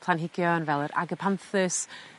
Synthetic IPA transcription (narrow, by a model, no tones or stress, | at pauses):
pʰlˠanɦɪɡjɔənvɛlˠəɾa̰ɡəpʰanθɨs